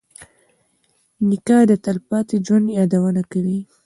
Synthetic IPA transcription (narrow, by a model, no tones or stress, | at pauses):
nɪkɑhd̪ət̪alpɑt̪id͡ʒwand̪jɑd̪awənakawi